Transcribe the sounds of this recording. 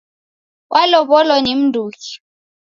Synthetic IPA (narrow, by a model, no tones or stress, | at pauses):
wʔalɔɓɔlwɔnem̩dʱuːki̥